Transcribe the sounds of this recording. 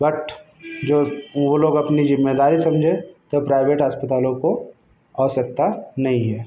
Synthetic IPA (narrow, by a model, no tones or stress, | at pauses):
bɐʈ | d͡ʒoːʋoloːɡɐpnizɪmːeːd̪aːɾisɐmd͡ʒʱẽt̪opɾaːɪʋeːʈɦəspət̪aːlõko | ɔːsɐk̚t̪anɐɦĩɦɛː